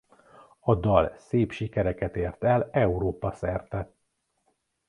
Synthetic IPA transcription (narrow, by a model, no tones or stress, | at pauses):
ɒd̪ɒlseːpʃikɛɾɛkɛt̪eːrt̪ɛlɛuɾoːpɒsɛrt̪ɛt̪